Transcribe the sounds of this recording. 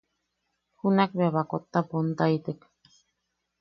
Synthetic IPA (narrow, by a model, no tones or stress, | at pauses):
hunakβeaβakot̪ːapont̪ait̪ek